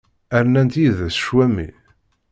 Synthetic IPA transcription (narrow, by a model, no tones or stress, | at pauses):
æɾnænt̪jiðæsʃwæmḭ